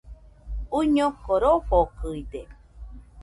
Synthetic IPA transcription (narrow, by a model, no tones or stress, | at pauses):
uɲokoɾoɸokɯid̪e